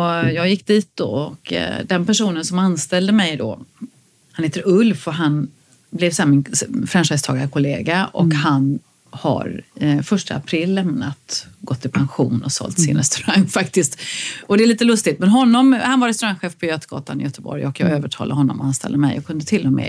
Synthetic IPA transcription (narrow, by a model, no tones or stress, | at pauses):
ɔjɑːɡjɪkːd̪iːt̪̚d̪ɔ̰ɔkd̪ɛnpæʂuːnənsɔmanst̪ɛld̪əmɛjd̪ɔ̰ | hanheːt̪əɾɵlfɔɦan | blɛvsːmɪnfɾɛmʂɛst̪ʰɑ̰ːɡaɾəkʰʊleːɡaʔɔ̰khan | ha̰ɾfœʂʈə̰a̰pʰɾɪlːɛmnat̪ɡɔt̪ʰːɪlpʰanɧuːnɔsɔ̰lt̪sɪ̰nɾɛ̰st̪ɵɾaŋːfakt̪ɪst̪ɔd̪ɛæɭiːt̪əlɵst̪ɪt̪mɛnɦɔnːɔmhanvaɾɛst̪ɵɾaŋɧeːfpʰɔjøːt̪əɡɑ̰ːt̪anɪjœt̪əbɔ̰ɾjɔkjɑ̰ːɡøːvəʈʰɑ̰ːladɦɔnːɔ̰mɔanst̪ɛ̰ld̪əmɛ̰jʔɔ̰kʰɵnd̪ət̪ʰɪlːɔmɛ̰ː